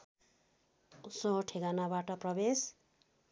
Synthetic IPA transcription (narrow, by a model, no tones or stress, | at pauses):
usʌ̃ʈʰeɡanabaʈʌprʌbes